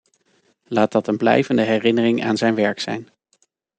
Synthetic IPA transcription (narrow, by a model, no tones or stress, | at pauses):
laːt̚dɑtənblɛ̰jvəndəɦɛrɪnərɪŋa̰ːnzɛjnʋɛɹksɛ̰jn